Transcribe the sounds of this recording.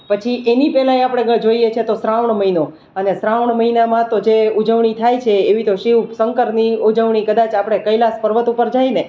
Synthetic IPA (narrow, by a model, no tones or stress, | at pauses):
pət͡ʃʰiʔenipɛlãeapəɽ̃ed͡ʒoijet͡ʃʰet̪osɾaʋɳməɦino | ənesɾaʋɳməɦinamãt̪od͡ʒeud͡ʒəʋɳit̪ʰajt͡ʃʰeːʋit̪oʃiʋsəŋkəɾniud͡ʒəʋɳikəd̪at͡ʃapəɽ̃ekəjilaspəɾʋət̪upəɾd͡ʒajne